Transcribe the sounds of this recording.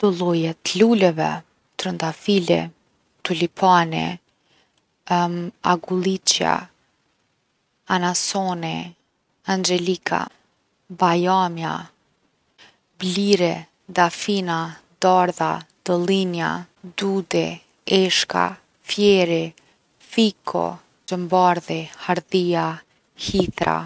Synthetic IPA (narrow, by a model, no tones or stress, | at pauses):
d̪̥ɔlˠɔjɛt̪lulɛvɛ̰ | t̪ɾənd̪afilɛ̰ | t̪ulipʰanḭ | a̰ɡulˠit͡ʃja̰ | anasɔni | and͡ʒɛlikʰa̰ | bajamja | bliɾɛ | d̪afinad̪aɾðad̪̥ɔlinja̰ | d̪ud̪ɛ | ɛʃka̰ | fjɛɾɛ | fikʰɔ̰ | d͡ʒəmbaɾðɛhaɾðia | hit̪ɾa̰